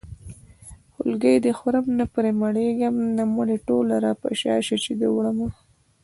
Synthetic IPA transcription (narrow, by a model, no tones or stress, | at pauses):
hʊ̰lɡəjd̪əxɾamnapəɾemaɽeɡamnamuɽeʈolaɾapa̰ʃɑ̰ʃat͡ʃid̪əwɽama